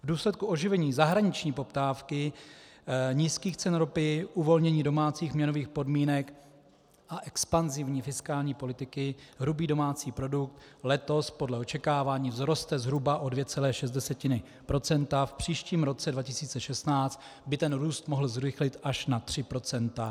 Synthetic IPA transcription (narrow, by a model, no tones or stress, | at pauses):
vduːslɛt̪̚kuʔo̞ʒɪvɛɲiːzaɦɾaɲɪt͡ʃɲiːpo̞pt̪aːfkɪ | ɲiːskiːxt͡sɛnɾopɪʔuvo̞lɲɛɲiːdo̞maːt͡siːxmɲɛno̞viːxpo̞dmiːnɛk | ʔaʔɛkspanzɪvɲiːfɪskaːlɲiːpo̞lɪt̪ɪkɪɦɾubiːdo̞maːt͡siːpɾo̞duk̚t̪lɛt̪o̞spo̞dlɛo̞t͡ʃɛkaːvaːɲiːvzɾo̞st̪ɛzɦɾubaʔo̞dvjɛt͡sɛlɛːʃɛzt̪dɛsɛcɪnɪ | pɾo̞t͡sɛnt̪afpr̝̥iːʃciːmɾo̞t͡sɛdvacɪsiːt͡sɛʃɛst̪naːt͡st̪bɪt̪ɛnɾuːst̪mo̞ɦl̩zɾɪxlɪt̪aʃnat̪r̝̥ɪpɾo̞t͡sɛnt̪a